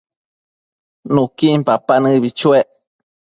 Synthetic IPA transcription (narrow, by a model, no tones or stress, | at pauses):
nũkimpapanɨ̃βit͡ʃueʔ